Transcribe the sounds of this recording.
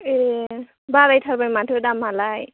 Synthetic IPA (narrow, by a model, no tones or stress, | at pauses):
e | baɾajtʰalbajmatʰɯdamalaj